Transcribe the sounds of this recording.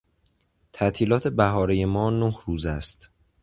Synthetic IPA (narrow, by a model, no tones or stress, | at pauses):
t̪ʰæʔt̪ʰiːlɒːt̪ʰe̞bæɦɒːɾeje̞mɒːnohɾuːzæst̪